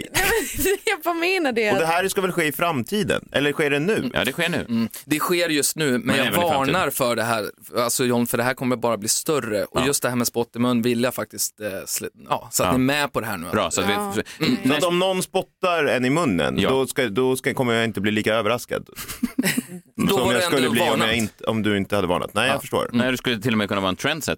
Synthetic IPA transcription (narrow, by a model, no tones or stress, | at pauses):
nɛɛjabameːnaɖɛɔd̪ɛɦæːɾskavɛlɧeːɪfɾamt̪ʰiːd̪ə̰nʔɛ̰lːəɾɧeːɖɛnʉ̟̰ːɑ̰ːd̪ɛɧeːɳʉ̟̰ːd̪ɛɧeːɾjɵst̪nʉ̟ːmɛnjɑvɑːnaɾfœɖɛɦæːɾalsɔjɔnfœɖɛɦæːɾkʰɔmːəjabɑːɾabliːst̪œrə̰ʔɔjɵst̪̚d̪ɛhæːɾmɛspɔt̪ːɪmɵnːvɪlːjafak̚t̪ɪst̪sjɑ̰ːsɔat̪nɪɛmɛpʰɔd̪ɛɦæ̰ːɳʉ̟ːɾsɔat̪ɪsɔat̪ɔmnɔnːspɔt̪ːaɾɛnɪmɵnːə̰nd̪ɔskad̪ɔkkʰɔmːəjaɪnt̪əbliːliːkaøːvəɾaska̰d̪ | d̪ɔɔjaɛsɛkɵːəbliːɔmjaɪnt̪ɔmd̪ɵɪnt̪əhad̪əvɑ̰ːɳa̰t̪nɛɪjafə̥ʂʈo̰ːɾd̪skɵlːət̪ɪlːɔmɛjkʰɵnːaɑːɾɛnt̪ʰɾɛnd̪sɛ̰t̪ː